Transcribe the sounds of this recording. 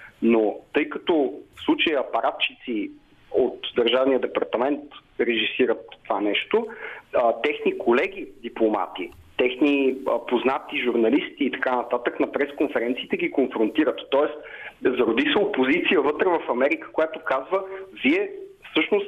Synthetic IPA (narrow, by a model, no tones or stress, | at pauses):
not̪ɤjkɐt̪ɔfslˠut͡ʃəjəɐpɐɾʔat̪̚t͡ʃit̪si | ot̪d̪əɾʒavnijəd̪ɛpɐɾt̪ɐmɛnt̪ | ɾɛʒisiɾət̪ːovanɛʃt̪oət̪ɛxnikʰolɛɡ̟ʲid̪iplˠoma̰t̪i | t̪ɛxniəpoznat̪iʒuɾnɐlist̪iːt̪ɐ̥kanɐt̪at̪əknɐpɾɛskonfɛɾɛnt̪siːt̪ɛɡikonfɾont̪iɾət̪ːɔɛst̪zɐɾod̪isəopozit̪sijəvɤt̪ɾəvɐfɐmɛɾikə̥kojat̪okazvəziɛfsɤʃnost̪